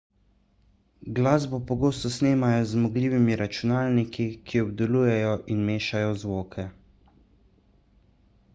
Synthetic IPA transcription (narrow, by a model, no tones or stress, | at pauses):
ɡlaːzbɔpɔɡoːst̪ɔsneːmajɔzmɔɡliːʋimiɾat͡ʃunaːlnikikʰiɔbd̪ɔluːjɛjɔʔinmeːʃajɔzʋoːkʰɛ